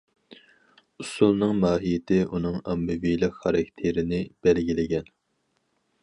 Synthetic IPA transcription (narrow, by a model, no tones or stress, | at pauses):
usulˠnɨŋmɑːɦijɪt̪ʰɪʔunɨŋɑmːɨvijlɪkχɑɾɑkʲt̪ʰeɾɪnɪb̥ɛlɡʲilɪɡʲɛn